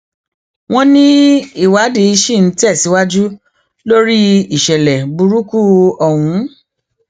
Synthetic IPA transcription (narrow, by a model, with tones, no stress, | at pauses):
w̃ɔ̃˦nĩ˦i˦˨wa˨˦de˧˦i˧ʃi˦˨n̩˨˦ti˦ɛ˦˨si˨˦wa˦d͡ʒu˦ | lo˦ɾi˦i˦˨ʃɛ˨lɛ˨bu˧ɾu˦ku˦ɔ˨wũ˨˦